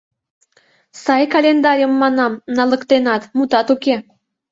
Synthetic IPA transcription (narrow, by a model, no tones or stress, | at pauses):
sɑjkɑlʲend̪ɑɾʲijəmːɑnɑmnɑlə̆kt̪enɑt̪mut̪ɑt̪uke